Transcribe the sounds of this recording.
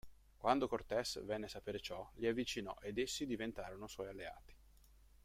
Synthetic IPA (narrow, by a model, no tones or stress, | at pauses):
kwand̪okort̪ɛsvɛnːeasapeːɾet͡ʃɔʎiavːit͡ʃinɔ̰ʔed̪esːid̪ivent̪aːɾonoswɔjalːea̰ːt̪i̥